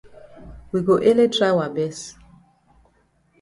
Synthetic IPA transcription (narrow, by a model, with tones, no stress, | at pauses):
wi˨ɡo˨ʔe˦le˦tʰɹa˦wa˨bɛ˦s